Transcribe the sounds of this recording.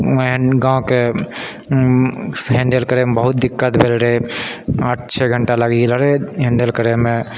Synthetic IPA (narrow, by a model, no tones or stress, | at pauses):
ɡãke | ɦẽɳɖelkəɾemebəɦut̪̚d̪ɪkːət̪bʱelɾəe | əʈʰt͡ʃʰɛɡʱəɳʈaləɡiɡelɾeɦẽɳɖelkəɾemẽ